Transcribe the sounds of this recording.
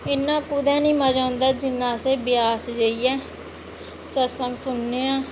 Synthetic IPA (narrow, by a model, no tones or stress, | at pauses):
ɪnːãːkʊd̪ɛ̃ːnĩːməd͡ʒãːnd̪aːd͡ʒɪnːãːseːbɪjaːsd͡ʒəiːjɛː | səsəŋɡsʊnːeːãː